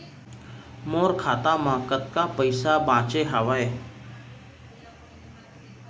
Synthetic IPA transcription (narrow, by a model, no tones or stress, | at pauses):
moːɾkʰaːt̪ãːmãːkət̪̚kaːpəɪsabãːt͡ʃeɦaʋaeː